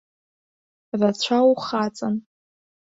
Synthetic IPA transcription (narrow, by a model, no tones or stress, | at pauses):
rat͡ɕʷʰawχat͡sʼan